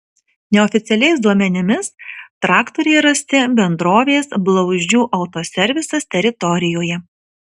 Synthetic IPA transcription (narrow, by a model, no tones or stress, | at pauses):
nʲɛɔfʲɪt̪sʲɛlʲɛɪsd̪uɔmʲɛnʲɪmʲɪst̪ɾɑːkt̪ɔɾʲɛjɾɐsʲt̪ʲɪbʲɛnd̪ɾoːʋʲeːsblˠɒʊʒʲd͡ʒʲuːʔɐʊt̪osʲɛɾʲʋʲɪsɐst̪ʲɛɾʲɪt̪ɔɾʲɪjoːjɛ